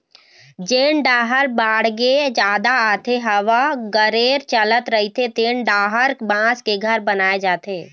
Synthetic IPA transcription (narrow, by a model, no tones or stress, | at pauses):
d͡ʒeːɳɖaːɦəɾbaːɽɡed͡ʒjaːd̪aaːt̪eɦɐʋaɡəɾeːɾt͡ʃələt̪ɾəɦit̪ʰet̪eːɳɖaːɦəɾbãːskeɡʱəɾbənaːed͡ʒaːt̪eː